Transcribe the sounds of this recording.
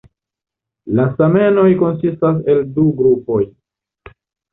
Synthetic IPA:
lasame̞no̞jko̞ns̬istas̬e̞lduɡɾupo̞j

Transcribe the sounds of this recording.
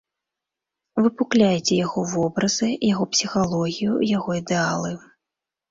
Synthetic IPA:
vɨpuklʲajɛt͡sʲɛjaɣɔvɔbɾɐzɨjaɣɔpsʲixalˠɔɣʲijṵjaɣɔid̪ɛalˠɨ

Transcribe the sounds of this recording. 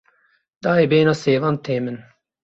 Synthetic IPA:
d̪aːɛbeːnaseːʋant̪ʰːeːmən

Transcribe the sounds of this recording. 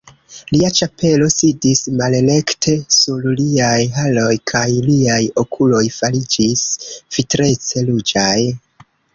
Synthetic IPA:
liat͡ʃape̞lo̞sidismale̞le̞ktʰe̞sulliajɦalo̞jkʰajliajo̞kʰulo̞jfalid͡ʒisv̥itɾe̞t͡se̞lud͡ʒaj

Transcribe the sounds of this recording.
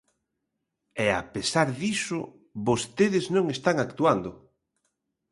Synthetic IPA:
ɛa̰pesaɾðisʊ | βost̪eðɪznõŋest̪aŋakt̪uand̪ʊ

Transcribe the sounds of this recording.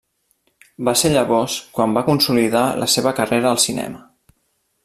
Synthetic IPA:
baseʎəβɔskwambakunsuliðalʔə̰seβəkəreɾəːlˠsinɛ̰mə

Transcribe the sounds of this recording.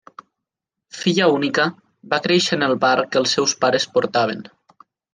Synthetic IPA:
fiʎəunikə | bakɾeʃənəlˠβaɾkəlˠsːɛwspaɾəspoɾt̪aβ̞ən

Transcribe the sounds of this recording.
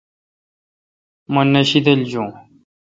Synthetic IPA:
mɐnːɐɕid̪ɐld͡ʑõː

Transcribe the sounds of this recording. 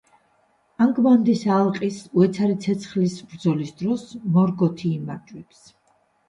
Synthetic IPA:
aŋɡmand̪isalˠqʼisuɛt̪sʰaɾit̪sʰɛt̪sʰχlisbɾd̪zɔlisd̪ɾɔsmɔɾɡɔt̪ʰiːmaɾt͡ʃʼwɛps

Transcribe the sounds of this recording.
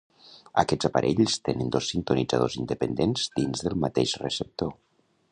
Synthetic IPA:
a̰kɛd͡zapaɾʔeʎst̪enənd̪osːint̪unid͡za̰ð̞ozind̪əpənd̪enzd̪inzðəlˠmat̪eʃrəsəp̚t̪o

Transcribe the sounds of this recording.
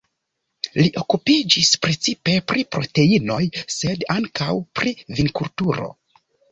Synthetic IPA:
liʔo̞kupid͡ʒispɾe̞t͡sipe̞pɾipɾo̞te̞ino̞jse̞daŋkawpɾivinkultuɾo̞̰

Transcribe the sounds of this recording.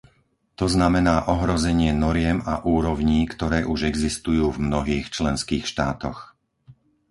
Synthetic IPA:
t̪ɔznamɛnaːʔɔɦɾɔzɛɲɪɛnɔɾɪɛmaʔuːɾɔʊɲiːkt̪ɔɾɛːʔuʒɛɡzist̪ujuːvmnɔɦiːxt͡ʃlɛnskiːxʃt̪aːt̪ɔx

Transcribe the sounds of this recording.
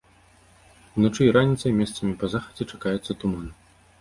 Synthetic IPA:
wnɔt͡ʂɨjɾanʲit̪sɐjmʲɛst̪sɐmʲipɐzaxɐ̥d͡zʲɛt͡ʂakajɛt̪sːɐt̪uman

